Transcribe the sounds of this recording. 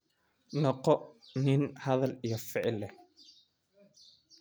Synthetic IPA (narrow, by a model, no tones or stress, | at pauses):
nɔqɔʔnɪnhɐðɐlijɔfɪʕɪlːɛ